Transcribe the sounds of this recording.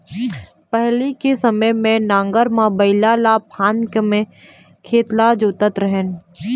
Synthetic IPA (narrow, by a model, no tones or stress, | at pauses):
pɛɦlikesəməjmẽnãːŋɡəɾmãbəɪlalapʰãːnkmẽ | kʰeːt̪lad͡ʒoːt̪ət̪ɾəɦən